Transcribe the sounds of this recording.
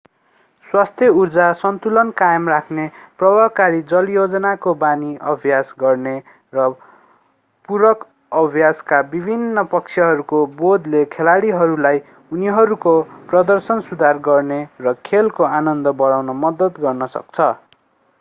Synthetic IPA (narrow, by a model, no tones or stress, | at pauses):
swast̪ʰjʌurd͡zasʌnt̪ulʌnkajʌmrakʰneprʌbʱʌkaɾid͡zʌljod͡zʌnakobaniʔʌbʱjasɡʌrne | rʌ | puɾʌk | ʌbʱjaskabibʱinːʌpʌkt͡sʰjʌɦʌɾukobod̪lekʰelaɽiɦʌɾulaj | uniɦʌɾukoprʌd̪ʌrsʌnsud̪ʱarɡʌrnerʌkʰelkoanʌnd̪ʌbʌɽawnʌmʌd̪ʌt̪ɡʌrnʌsʌ̰k̚t͡sʰʌ